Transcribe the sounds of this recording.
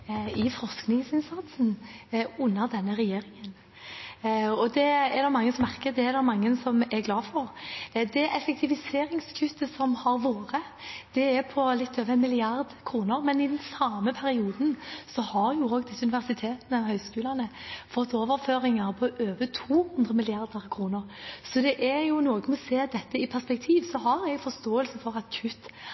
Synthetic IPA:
ɪfɾɔʁsknɪŋsɪnsɑt̪sn̩ʉnːəɾd̪ɛnːəʁɛjeːɾɪŋən | ɔd̪ɛɛɾd̪ɔmɑŋːəsɔmæʁkəd̪ɛɛɾd̪ɔmɑŋːənsɔmɛɡlɑːfɔɾd̪ɛʔɛfɛk̚t̪ʰɪʋɪseːɾɪŋskʰʉt̪ːəsɔmhɑɾʋoːɾə | d̪̥ɛɛɾpʰɔlɪt̪ʰːøːʋəɛnmɪlɪɑʁd̪kʰɾuːnəɾmɛnɪd̪ɛnsɑməpʰæɾɪuːd̪nsɔhɑɾjʊoːɡd̪ɪsːəʉnɪʋæʁsɪt̪ʰeːt̪nɑɦœʏskʉːlɑnəfɔt̪ʰːoːʋəɾføːɾɪŋɑɾpʰɔʔøːʋət̪ʰuːhʉnd̪ɾəmɪlɪɑɾd̪əɾkʰɾuːnəɾsɔd̪ɛʔæɾjʊnoːɡənɔseːd̪ɛt̪ːəɪpʰæʁspɛkt̪ʰiːʋsɔɦɑɾɛɡfɔst̪oːəlsəfɔɾɑt̪kʰʉt̪ː

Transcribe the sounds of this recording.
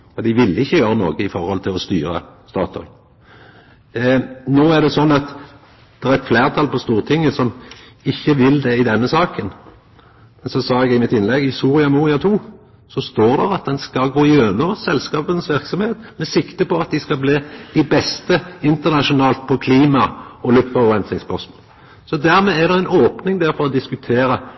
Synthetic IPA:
ɔd̪ɪʋɪlːɪçːəjøːɾəno̰ːɡəɪfɔʁhɔlt̪ʰɪlɔst̪y̰ːɾə̰st̪ɑ̰ːt̪ʰɔ̰ʏ | noːæʁd̪ɛsɔnːɑt̪ | d̪̥ɛʁæɛt̪fleːʁt̪ʰɑlpʰɔst̪uːʁt̪ʰɪŋːəsɔm | ɪçːəʋɪld̪ɛɪd̪ɛnːəsɑːkən | mɛnsɔsɑːɛɡɪmɪt̪ɪnlɛɡɪsuːʁɪɑmuːʁɪɑt̪ʰuː | sɔst̪oːʁd̪ɛʁɑt̪̚d̪ɛnskɑlɡoːɪjøːnɔsɛlskɑːpənsʋɪɾksɔmheːt̪mɛsɪkt̪əpɔɑt̪̚d̪ɪskɑlbliːd̪̥ɪbɛst̪əɪnt̪əʁnɑʃʊnɑːlt̪̚pʰɔkʰliːmɑɔlʉpfɔʁɔʁɛnsnɪŋspʰɔsm | sɔd̪æɾmɛːʁd̪ɛæɪnoːpnɪŋd̪æːɾfɔɾɔd̪ɪskʉt̪ʰeːɾə

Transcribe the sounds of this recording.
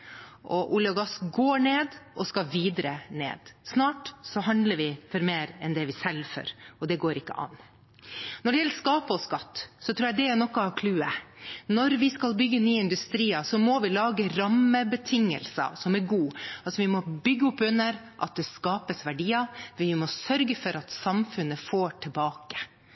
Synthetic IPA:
ʔɔʔʊljɑɡɑsɡoːɳeːd̪ɔskɑʋiːd̪ɾənḛːd̪̥snɑːʈsɔɦɑnd̪ləɾʋɪfɔɾmeːɾɛnd̪ɛʋɪsɛlfœ̰ɾɔd̪ɛɡoːɾɪkːə̰ʔɑ̰nː | nɔɖɛjɛlskɑːpəɔskɑt̪ːsɔt̪ʰɾuːjɛd̪ɛɛɾnɔkːəɑʋkʰlʉːənɔɾʋɪskɑlbʏɡːənyːɪnd̪ʉst̪ɾiːɑsɔmɔʋɪlɑːɡəɾɑmːəbət̪ʰɪŋːə̰lsɑ̰sɔmæɾɡuːɑlsɔʋɪmɔbʏɡːəʊpːʉnːəɾʔɑt̪̚d̪ɛskɑːpəsʋæɖiːɑʋɪmɔsœɾɡəfɔɾɑt̪sɑmfʉnːəfoːʈʰɪlbɑːkə̥

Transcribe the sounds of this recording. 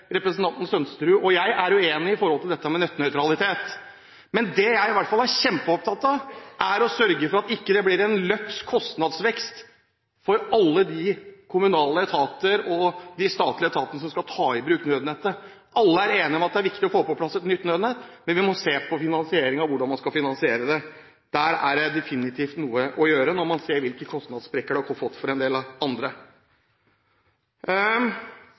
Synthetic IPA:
ɾɛpɾɛsnt̪ʰɑnt̪n̩sœnst̪ɾʉːʔɔjæɪʔæɾjʊeːnɪɪfɔɾhɔlt̪ɪld̪ɛt̪ːəmɛnœt̪ːnœʏt̪ʰɾɑlɪt̪ʰeːt̪ | mɛnd̪ɛjæɪɪʋæʈːfɑlæɾɕɛmpəɔp̚t̪ʰɑt̪ːɑʔæɾɔsœɾɡəfɔɾɑt̪ɪkːəd̪ɛblɪɾɛnlœkskʰɔst̪nɑd̪sʋɛkst̪ | fɔɾɑlːəd̪ɪkʰʊmʉnɑːləɛt̪ʰɑːt̪əɾɔd̪ɪst̪ɑːt̪lɪɛt̪ʰɑːt̪ənəs̬ɔmskɑt̪ʰɑːɪbɾʉːkt̪nøːd̪net̪ə | ʔɑlːəæɾeːnɪmɛɑt̪̚d̪ɛæɾʋɪkt̪ɪɔfoːpɔpʰlɑsːɛt̪nʏt̪ːnøːd̪nɛt̪mɛnʋɪmɔseːpʰɔfɪnɑnsɪeːɾɪŋɑʋʊɖɑnmɑnskɑlfɪnɑnsɪeːɾəd̪ɛ | d̪̥æɾæ̰ɖɛd̪ɛfɪnɪt̪ʰiːft̪nuːəʔɔjøːɾənɔɾmɑnseːɾʋɪlkəkʰɔst̪nɑd̪spɾɛkːəɖʉhɑɾfɔɾfɔt̪ːfɔɾɛnd̪eːlɑɑnd̪ɾə

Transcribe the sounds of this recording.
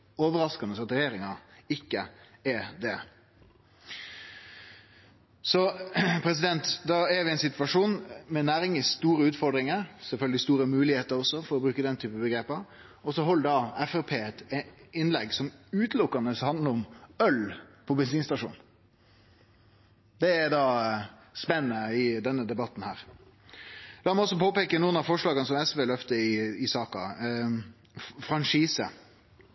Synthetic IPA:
oːʋəɾɑskɑnəsɑt̪ɾɛjeːɾɪŋɑɪkːəɛd̪ɛ | sɔpʰɾɛs̬ɪd̪ɛnt̪d̪ɑɛɾʋɪɛɪnsɪt̪ʋɑʂuːnmɛnæːɾɪŋɪst̪uːɾəʉːt̪fɔɾd̪ɾɪŋəɾsɛlfœlɡəlɪst̪uːɾəmʉːlɪheːt̪əɾɔsːɔfɔɾɔbɾʉːkəd̪ɛnt̪ʰyːpəbəɡɾeːpəɾ | ɔsɔɦɔlːd̪ɑɛfɛpʰeːɛt̪ɪnːlɛɡsɔmʉːt̪lʊkːɑnəshɑnd̪ləɾɔmœlpʰɔbɛnsiːnst̪ɑʂṵːn | d̪ɛːɾd̪ɑː | spɛnənəɪd̪ɛnːəd̪ɛbɑt̪ːn̩hæːɾ | lɑːɾmɛɔs̬ːɔpʰoːpeːkənuːənɑfɔʂɭɑːɡənəsɔmɛsʋeːlœft̪əɪɪsɑːkɑ̰ | fɾɑnʂiːsə̰

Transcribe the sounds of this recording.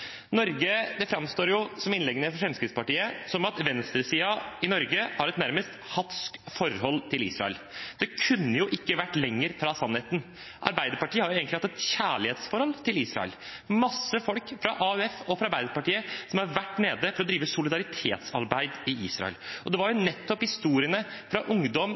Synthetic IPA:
nɔɾɡəd̪ɛfɾɑmst̪oːɾjʊsɔmɪnlɛɡənəfɔʂɾɛmskɾɪt̪spɑʈiːəsɔmɑt̪ʋɛnst̪ɾəsiːɑɪnɔɾɡəhɑɾɛt̪næɾməst̪hɑt̪skfɔɾhɔlːt̪ʰɪlḭːsɾɑ̰ɛ̰l | d̪̥ɛkʰʉnːəjʊʔɪkːəʋæʈːlɛŋːəɾfɾɑsɑnheːt̪n̩ | ʔɑ̰ɾbæɪd̪əɾpɑʈiːəhɑɾjʊeːɡəɪɑt̪ːɛt̪çæːɭɪheːt̪sfɔɾhɔlt̪ʰɪliːsɾɑ̰ɛ̰lmɑsːəfɔlkfɾɑ̰ʔɑʉɛfɔfɾɑɾbæɪd̪əɾpɑʈiːəsɔmhɑɾʋæʈːneːd̪əfɔɾɔd̪ɾiːʋəsʊlɪd̪ɑɾɪt̪ʰḛːt̪sɑ̰ɾbæɪd̪ɪiːsɾɑ̰ɛ̰lʔɔd̪ɛʋɑɾjʊnɛt̪ːɔphɪst̪uːɾɪənəfɾɑʔʊŋd̪ɔm

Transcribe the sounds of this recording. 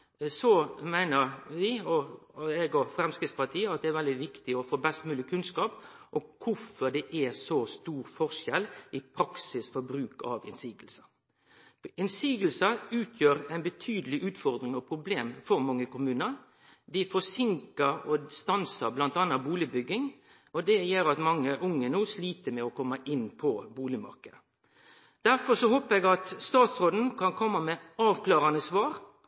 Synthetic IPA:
sɔmæɪnəɾʋɪɔɛɡɔfɾɛmskɾɪt̪spɑʈ̪ʰiːəɑt̪̚d̪ɛæɾʋɛld̪ɪʋɪkt̪ɪɔfoːbɛst̪mʉːlɪkʰʉnskɑːpʔɔkʰʊfɔɖ̪ɛʔæsɔst̪uːɾfɔʂɛlʔɪpʰɾɑksɪsfɔɾbɾʉːkɑ̰ʋɪ̰nsiːɡəlsə̥ | ɪnsiːɡəlsəʉːt̪ʰjøːɾæɪnbət̪ʰyːd̪əlɪʔʉːt̪fɔɾd̪ɾɪŋɑpʰɾʊbleːmfɔɾmɑŋːəkʊmʉːnəɾ | d̪ɪfɔsɪŋkəɾɔst̪ɑnsɑblɑnt̪ɑːnːɑtbuːlɪbʏɡːɪŋ | ʔɔd̪ɛjøːɾɑt̪mɑŋːəʔʊŋːənuːsliːt̪əmɛɔkʰɔmːəʔɪnːpʰɔbuːlɪmɑ̰ɾkəd̪ə | d̪̥æɾfɔsɔhoːpəɾɛɡɑt̪st̪ɑːt̪sʁoːd̪n̩kʰɑnkʰɔmːɑmɛɑːʋklɑːʁɑnəsʋɑːɾ

